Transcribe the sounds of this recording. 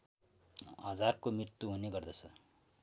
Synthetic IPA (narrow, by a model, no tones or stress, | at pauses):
ɦʌd͡zarkomrirt̪ːuɦuneɡʌrd̪ʌt͡sʰʌ